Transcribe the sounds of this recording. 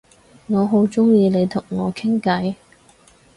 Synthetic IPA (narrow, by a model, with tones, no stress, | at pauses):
ŋɔː˨˧ɦo˨˥wt͡ʃʊ˥ŋjiː˧le˨˧jt̪ʰʊ˨˩ŋːɔː˨˧kʰɪ˥ŋkɐ˨˥j